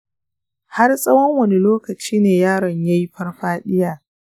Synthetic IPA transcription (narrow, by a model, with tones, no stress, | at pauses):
ha˦rsʼɐ˦wɔ˦ŋwɐ˨ni˦loː˦kɐ˨t͡ʃiː˦neː˨jaː˦ɽɐ˨ɲja˦ji˦ɸɐ˦rɸaː˦ɗɪ˦jaː˨